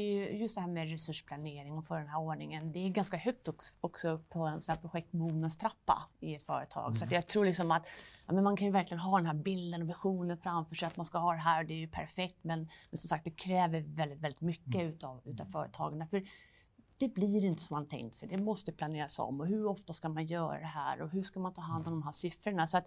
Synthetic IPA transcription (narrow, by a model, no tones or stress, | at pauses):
d̪ɛjɵjɵst̪d̪ɛɦæːɾmɛɾɛsɵʂpʰlaneːɾɪŋɔfœɖɛnɦæːɾoːɳɪŋənd̪ɛːɡanskahœk̚t̪ɔkɔksɔɵpʰːɔsɔnhæɾpʰɾʊɧɛk̚t̪muːnənst̪ʰɾapːa̰ɪɛt̪fœ̰ːɾət̪ʰɑ̰ːɡsɔat̪jɑɡt̪ʰɾuːlɪksɔmat̪jɑ̰ːmɛnmankʰanjɵvæɾklɪɡənɦɑːd̪ɛnɦæːɾbɪld̪ənɔvɪɧuːnənfɾamfœːʂɛjat̪manskahɑːd̪ɛɦæːɾd̪ɛæɾjɵpʰæ̰ɾfɛk̚t̪mɛnmɛnsɔmsak̚t̪̚d̪ɛkʰɾɛːvəɾvɛlɪt̪vɛlːɪt̪mʏkːəʉːt̪ɑvʉ̟ːt̪avfœːɾə̰t̪ʰɑ̰ːɡanafœɾ | d̪̥ɛbliɾɪnt̪ə̥sɔmːant̪ʰɛ̰ŋkt̪sɛjd̪ɛmɔst̪əpʰlaneːɾasɔ̰mːɔɦɵɾɔft̪askamanjœːɾa̰d̪ɛɦæ̰ːɾɔɦɵʂkamant̪ʰɑːɦand̪ɔmd̪ɔmɦæːʂʏfɾəɳasɔat̪